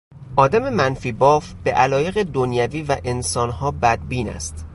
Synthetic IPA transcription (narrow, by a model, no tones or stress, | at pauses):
ʔɒːd̪æme̞mænfiːbɒːfb̥e̞ʔælɒːje̞ɣed̪onjæviːvæʔe̞nsɒːnhɒːbæd̪̚biːnæ̰st̪